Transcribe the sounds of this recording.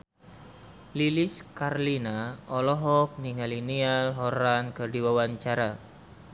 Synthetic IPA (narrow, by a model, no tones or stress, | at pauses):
liliskarlinaɔlɔɦɔk̚niŋalinialɦɔɾankɨrdiwawaɲt͡ʃaɾa